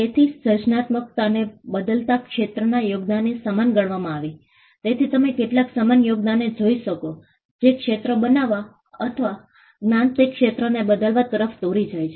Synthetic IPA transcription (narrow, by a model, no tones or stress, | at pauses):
t̪et̪ʰisəd͡ʒnat̪mək̚t̪anebəd̪əlt̪akʃet̪ɾənajoɡd̪anːisəmanɡəɽʋamãaʋi | t̪et̪ʰit̪əmekeʈlaksəmanjoɡ̚d̪aned͡ʒoiʃəko | d͡ʒekʃet̪ɾəbənaʋa | ət̪ʰəʋa | nant̪ikʃet̪ɾənebəd̪əlʋat̪əɾəft̪oɾid͡ʒajt͡ʃʰe